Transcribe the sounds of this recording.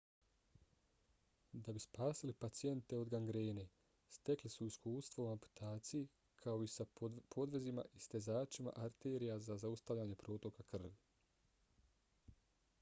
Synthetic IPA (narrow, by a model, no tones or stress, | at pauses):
d̪abispaːsilipat̪sije̞nt̪e̞o̞d̪ɡaŋɡɾeːne̞ | st̪e̞klisuiskuːst̪ʋoumampu̥t̪ʰaːt̪siji | kʰao̞isapʰo̞d̪ʋe̞zima̰ʔist̪e̞zaːt͡ʃima̰ʔaɾt̪eːɾijazazaust̪aʋʎaːɲe̞pɾo̞ːt̪o̞kakr̩ʋ